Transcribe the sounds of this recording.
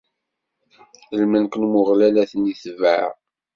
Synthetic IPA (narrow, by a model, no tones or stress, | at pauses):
θəlmənkənmʊʁlælæθəniθvʕ̰ʁ